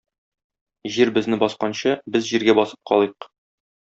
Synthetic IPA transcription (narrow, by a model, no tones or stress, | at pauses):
ʑiɾbɘ̆znɘbɒsqɑnɕɤbɘzʑiɾɡæbɒsɤ̥p̚qɒlˠɤq